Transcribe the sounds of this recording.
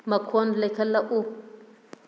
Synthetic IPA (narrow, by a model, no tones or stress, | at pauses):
makʰɔndlɛkʰalaʔu